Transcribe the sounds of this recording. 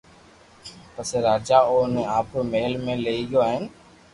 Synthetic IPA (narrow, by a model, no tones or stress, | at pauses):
pəseːɾaːd͡ʒaːoːnẽːaːpʰoːmeɦəlmẽːləiːɦjoːaːɦɪn